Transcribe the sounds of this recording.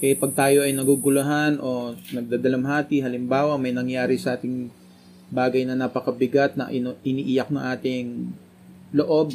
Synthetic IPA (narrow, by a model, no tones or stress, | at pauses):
ʔɛpɐɡ̚t̪aːjo̞ʔɐjnɐɡuɡʊlɐɦanʔo̞nɐɡ̚d̪aːd̪ɐlɐmɦaːt̪ɪɦɐlɪmbaːwɐmɐjnɐŋjaːɾɪsɐʔaːt̪ɪŋ | baːɡɐjnɐnapɐkɐbɪɡat̪̚nɐ̰ʔɪnʔɪniʔijɐk̚nɐŋʔaːt̪ɪŋ | loʔo̞b̚